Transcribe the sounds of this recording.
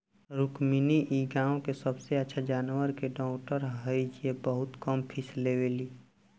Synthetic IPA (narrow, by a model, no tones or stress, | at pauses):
ɾukminiʔiɡaːõkesəbseətːʃʰad͡ʒaːnwəɾkeɖɔːkʈəɾɦəid͡ʒiebəɦʊt̪kəmpʰisleweliː